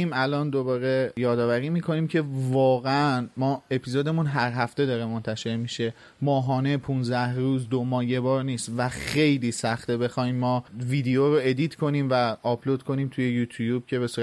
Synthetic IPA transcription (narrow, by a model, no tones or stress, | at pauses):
imælɒːnd̪o̞bɒːɾe̞jɒːd̪ɒːvæɾiːmiːkʰo̞niːmcʰe̞vɒːɣeænmɒːe̞pʰizod̪e̞munɦæɾɦæft̪e̞d̪ɒːɾe̞mo̞nt̪ʰæʃe̞ɾmiʃe̞ | mɒːɦɒːne̞pʰunzæhɾuːzd̪omɒːje̞bɒːɾniːst̪væxejliːsæxt̪ebe̞xɒːimːɒːviːd̪eoɾoe̞d̪iːt̪ʰkʰo̞niːmvæɒpʰlod̪̚kʰo̞niːmt̪ʰuje̞juːt̪ʰujuːb̥̚cʰe̞βe̞suː